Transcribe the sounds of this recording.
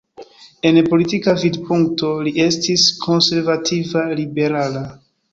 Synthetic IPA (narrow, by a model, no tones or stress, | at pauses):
e̞npo̞litikavidpuŋkto̞liʔe̞stiskʰo̞nse̞ɾvatʰivalibe̞ɾala